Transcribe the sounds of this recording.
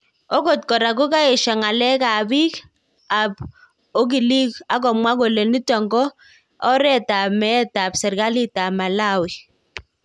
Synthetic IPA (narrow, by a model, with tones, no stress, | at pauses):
ɔ˦ko˨t̚kɔ˨ɾa˨ɡo˦ka˦ɪ˨ʃa˨ŋa˨lɛ˦ka˨bi˦ | a˨b | o˦ɡ̬i˨li˦ka˦k̬ɔ˨mwa˦ɡo˨le˨ni˦tɔ˨ŋɡɔ˦ | ɔ˦ɾɛ˦ta˨mɛ˦ta˨bsɛ˨ɾɡa˦li˦ta˨ma˨la˦˨wi˨